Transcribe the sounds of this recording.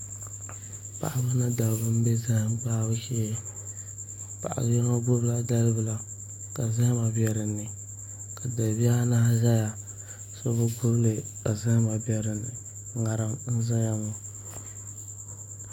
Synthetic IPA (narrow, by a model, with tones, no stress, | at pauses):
pa̰˨ʔa˦bʊ˦na˦da˨bɨ˦m̩˦be˦za˦˨mpa˦bɨ˦ʃɛ˦˨ | pa̰˨ʔa̰˨ljɛ˦ŋa˦ɡʊ˦bla˦da˦lbɨ˨la˨ | ka˨za˦ma˨bɛ˨ɾɨ˨nːɨ˨ | ka˨da˨bi˦a˦na˦za˦ja˨ | so˦bɨ˦ɡʊ˦ble˨ka˨za˦ma˨bɛ˦ɾɨ˨nːɨ˨˦ | ŋa˨ɾɨ˦mn̩˦za˦ja˦ŋo˦˨